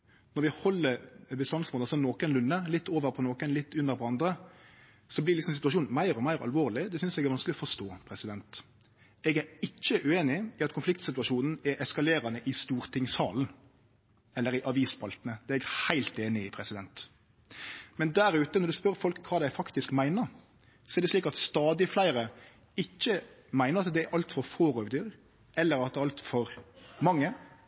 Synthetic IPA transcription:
nɔɾʋɪhɔlːəɾbəst̪ɑnsmuːnɑsɔnoːkənlʉnːəlɪt̪ʰːoːʋəɾpʰɔnoːkənlɪt̪ːʉnːəɾpʰɔɑnd̪ɾə | sɔblɪɾlɪksɔmsɪt̪ʉɑʂuːnmæɪɾɔmæɪɾɑ̰lʋoːʁlɪd̪ɛsʏnsɛɡæɾʋɑnsklɪɔfɔʂt̪oːpʰɾɛsɪd̪ɛnt̪ | ɛɡæɾɪt͡ʃːəʔʉeːnɪɪɑt̪kʰʊnflɪk̚t̪sɪt̪ʉɑʂuːnn̩ɛʔɛskɑleːɾɑnəʔɪst̪uːɾt̪ʰɪŋshɑ̰ːln̩ | ɛlːəɾɪʔɑʋiːspʰɑlt̪ənəd̪ɛɛɡhæɪlt̪eːnɪɪpʰɾɛsɪd̪ɛnt̪ | mɛnd̪æɾʉːt̪ənɔɾd̪ʉspœɾfɔlkʰːʋɑːd̪æɪfɑkt̪ɪskmæɪnəɾ | sɔɛɾd̪ɛsliːkɑt̪st̪ɑːd̪ɪflæɪɾə | ɪcːə | mæɪnəɾɑt̪d̪ɛæɾʔɑlt̪fɔɾfoːɾoʋəd̪yːɾ | ʔɛlːəɾɑt̪̚d̪ɛɑlt̪fɔɾmɑŋːə

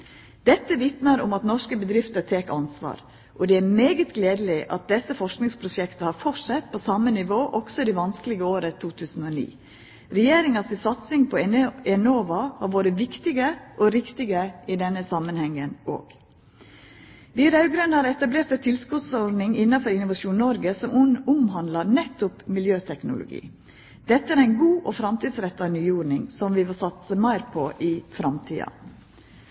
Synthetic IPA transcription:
d̪̥ɛt̪ːəʋɪt̪nəɾʊ̰mɑt̪nɔʂkəbəd̪ɾɪft̪ət̪ʰeːkɑnsʋɑ̰ːɾ | ʔɔd̪ɛæɾmeːɡət̪ɡleːd̪əlɪʔɑ̰t̪̚d̪ɛsəfɔʂknɪŋspʰɾʊʃɛkt̪əhɑɾfɔsɛt̪ːpʰoːsɑmənɪʋoːʔɔɡ̥sɔɪd̪iːʋɑnskəlɪɡəoːɾət̪ʰuːt̪ʰʉːsn̩oːnḭː | ɾɛjeːɾɪŋɑsɪsɑt̪sɪŋpʰɔɛnoːʋɑhɑɾʋoːɾəʋɪkt̪ɪɡəʔɔɾɪkt̪ɪɡəɪd̪ɛnːəsɑmənhɛŋːəno̰ːɡ̥ | ʋiːɾɑʉɡɾœnhɑːɾɛt̪ɑbleːɾt̪ɛt̪ʰɪlskʉt̪sɔɖnɪŋɪnːɑfɔɾɪnʊʋɑʃuːnɔɾɡəsɔmʊmhɑnd̪lɑɾnɛt̪ːʊpmɪljøːt̪ʰɛknʊ̰lʊ̰ɡḭː | d̪̥ɛt̪ːəæːɾæɪnɡuːʔɔfɾɑmt̪ʰiːd̪sɾɛt̪ːɑnyːuːɾɳɪŋsɔmʋɪʋolsɑt̪səmæɪɾpʰoʔifɾɑmt̪ʰḭːɑ̰

